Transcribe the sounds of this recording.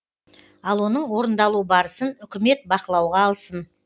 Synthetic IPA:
ɑlˠwo̞nəɴwo̞ɾənd̪ɑlˠubɑɾəsənʏkʲɪme̞t̪̚bɑqəlˠɑwʁɑːlˠsən

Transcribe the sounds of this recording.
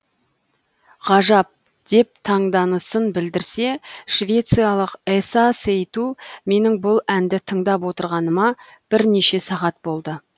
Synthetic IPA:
ʁɑʒɑp̚ | d̪̥e̞p̚t̪ʰɑɴd̪ɑnəsənbɪld̪ɪɾse̞ʃvʲe̞t̪sɨjɑlˠəqesasejt̪ume̞nɪŋbʊlˠænd̪ɪt̪ʰəɴd̪ɑpwo̞t̪əɾʁɑnəmɑ | b̥ɪɾne̞ʃe̞sɑʁɑt̪̚bo̞lˠd̪ə

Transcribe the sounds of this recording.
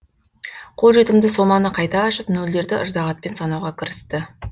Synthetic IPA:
qʰo̞lˠʒe̞t̪ɪmd̪ɪsomɑnəqʰɑjt̪ɑːʃɪpnɵld̪e̞ɾd̪ɪʔəʒd̪ɑʁɑt̪̚pe̞nsɑnɑwʁɑkʲʰɪɾɪst̪ɪ

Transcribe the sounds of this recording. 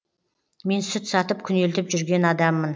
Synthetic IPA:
me̞nsʏt̪sɑt̪əpkʲʰʏne̞lt̪ɪpʒʏɾɡʲe̞nɑd̪ɑmːən

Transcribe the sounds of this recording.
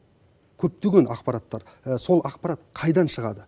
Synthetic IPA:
kʲʰɵp̚t̪ʏɡʲenɑqpɑɾɑt̪ːɑɾ | so̞lˠɑqpɑɾɑt̪qʰɑjd̪ɑnʃəʁɑd̪ə

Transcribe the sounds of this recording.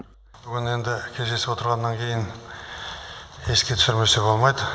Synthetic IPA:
b̥ʏɡʲɪne̞nd̪ɪkʲʰe̞zd̪e̞sɪpwo̞t̪əɾʁɑnːɑŋkʲʰe̞jɪn | e̞skʲe̞t̪ʰʏ̥sɪɾme̞sebo̞lˠmɑjd̪ə

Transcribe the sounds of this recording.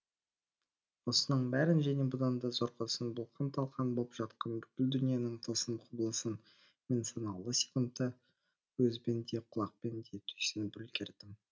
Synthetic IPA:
wo̞sənəɴbæɾɪnʒæne̞bʊd̪ɑnd̪ɑzoɾqʰəsənbʊlˠqʰɑnt̪ʰɑlˠqɑnbolˠəpʒ̥ɑt̪qɑnbɪkʲɪld̪ʏnije̞nɪɴt̪ʰəsəmqʰblˠəsən | mʲensonɑlˠːəsi̥kʊnt̪ːə | wɵzbe̞nd̪e̞qʰʊlˠɑq̚pend̪e̞t̪ʰʏjsɪnɪbʏlkʲʰeɾd̪ɪm

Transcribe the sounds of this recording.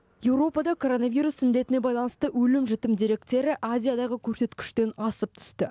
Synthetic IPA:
je̞wɾo̞pɑd̪ɑkʰo̞ɾo̞navijɾusɪnd̪e̞t̪ɪne̞bɑjlˠɑnəst̪əwɵlɪmʒɪt̪ɪmd̪iɾe̞kt̪e̞ɾɪʔazʲijad̪ɑʁəkʲʰɵɾse̞t̪kʲɪ̥ʃt̪e̞nɑsəp̚t̪ʰʏ̥st̪ɪ

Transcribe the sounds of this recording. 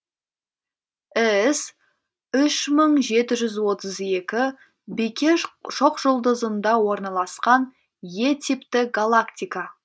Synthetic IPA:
ɪs | ʏʃməɴʒe̞t̪ɪʒʏzwo̞t̪əze̞kʲɪ | bekʲʰe̞ʃoqʒʊlˠd̪əzənd̪ɑwo̞ɾnɑlˠɑsqɑn | je̞t̪ʰipt̪ɪɡalˠakt̪ʲijka

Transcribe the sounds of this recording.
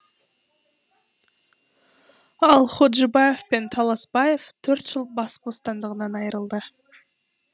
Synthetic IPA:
ɑlˠχod̪ʒəbɑje̞vpe̞nt̪ʰɑlˠɑsbɑje̞vt̪ʰɵɾt̪ʒəlˠbɑspo̞st̪ɑnd̪əʁənɑnɑjəɾəlˠd̪ə

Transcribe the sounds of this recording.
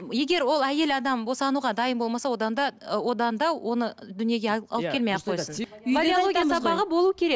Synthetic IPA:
je̞ɡʲe̞ɾwo̞lˠæje̞lɑd̪ɑmbosɑnuʁɑd̪ɑjəmbo̞lˠmɑsɑwo̞d̪ɑnd̪ɑwo̞d̪ɑnd̪ɑwʔo̞nəd̪ʏnije̞ɡʲeɑlˠpkʰʲe̞lmeqʰːojsənod̪ijooɡ̪ʲijasɑpɑʁəbo̞lˠuwəkʲʰe̞ɾek

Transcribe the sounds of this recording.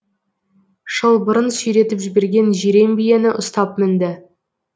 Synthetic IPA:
ʃəlˠbəɾənssʏjɾe̞t̪ɪpʒɪbe̞ɾɡʲe̞nʒiɾe̞mbije̞nɪʔʊst̪ɑpmɪnd̪ɪ

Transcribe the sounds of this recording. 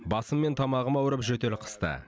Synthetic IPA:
bɑsəmːe̞nt̪ʰɑmɑʁəmɑwɾəpʒɵt̪elɪqʰə̥st̪ə̰

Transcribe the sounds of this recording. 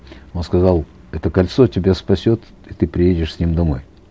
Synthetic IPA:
o̞nskɐzɑlˠ | ɛt̪əkɐlʲt̪sotʲɪbʲaspɐsʲo̞t̪ | it̪ɨpɾʲɪjedʲɪʂsʲnʲimd̪ɐmo̞j

